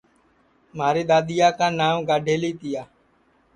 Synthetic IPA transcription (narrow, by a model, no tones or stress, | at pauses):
maːɾiːɗ̪aːɗ̪ɪjaːkãːnaːmɡaːɖʱeːliːt̪ɪjaː